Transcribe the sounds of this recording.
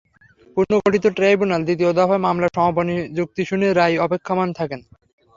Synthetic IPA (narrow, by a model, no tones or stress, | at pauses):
puɾnoɡoʈit̪oʈɾajbunald̪it̪̬iod̪ɔfaemamlaɾʃɔmoponid͡ʑuk̚t̪iʃuneɾːajɔpekʰːamant̪ʰaken